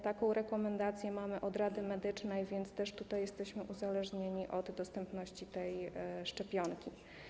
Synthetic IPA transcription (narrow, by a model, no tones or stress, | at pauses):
t̪akɔ̃w̃ɾɛkɔmɛnd̪at̪sʲjɛmamɘʔɔd̪ɾad̪ɘmɛd̪ɘt͡ʂnɛjvʲjɛnt̪st̪ɛʂt̪ut̪ajːɛst̪ɛɕmɘʔuzalɛʐɲeɲiʔɔd̪ːɔst̪ɛmpnɔɕt͡ɕit̪ɛjʂt͡ʂɛpʲjɔŋkʲi